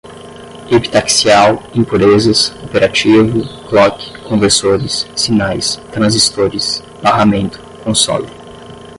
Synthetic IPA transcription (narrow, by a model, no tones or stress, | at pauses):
epi̥t̪aksiawĩpuɾezɐsopeɾat͡ʃivʊklɔkɪ̥kõveɾsoɾɪsːinajst̪ɾɐ̃zist̪oɾɪs | b̥aɦamẽnt̪ʊ̥kõsɔ̰lɪ